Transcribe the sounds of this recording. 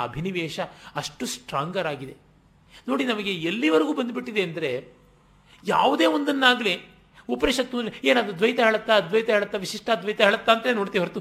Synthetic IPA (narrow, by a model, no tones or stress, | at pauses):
ɐ̰bʱiniʋɛːʂɐɐʂʈusʈɾaːŋɡɐɾaːɡid̪e̞ | no̞ːɽinɐmɐɡeelːiʋɐɾɐɡuːbɐnd̪biʈːid̪eɐnd̪ɐɾe̞ | ja̰ːʋud̪eːond̪ɐnːaːɡle | upɐneʂɐt̪ːunɾeeːnaːd̪ɾud̪ʋɐjt̪ɐɦeːɭɐt̪ːɐɐd̪ʋɐjt̪ɐɦeːɭɐt̪ːɐʋiʃiʂʈɐd̪ʋɐjt̪ɐɦeːɭɐt̪ːaːnt̪ɐnenoːɽt̪iiɦɐɾt̪u